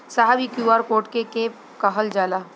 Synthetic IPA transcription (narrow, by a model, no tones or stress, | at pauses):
saɦabikjuːaːɾkoːʈkekeːp | kɐɦəld͡ʒaːla